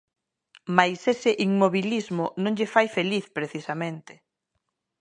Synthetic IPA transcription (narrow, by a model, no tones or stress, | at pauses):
majsesɪʔiŋmoβilizmʊnõŋʎɪfajfeliθpɾeθisamẽnt̪ɪ̥